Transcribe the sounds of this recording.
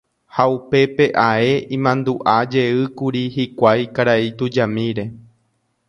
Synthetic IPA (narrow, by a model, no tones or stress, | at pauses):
haupe̞pe̞ʔae̞ĩmãnd̪uʔad͡ʒe̞ɨkuɾihikʷajkaɾait̪ud͡ʒamĩɾe̞